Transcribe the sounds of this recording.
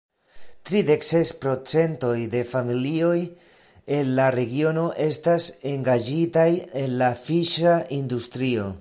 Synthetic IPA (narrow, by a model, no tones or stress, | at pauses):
t̪ɾide̞kse̞spɾo̞t͡se̞nto̞jde̞familio̞j | e̞nlaɾe̞ɡio̞no̞ʔe̞stase̞ŋɡad͡ʒitaje̞nlafiʃaindust̪ɾio̞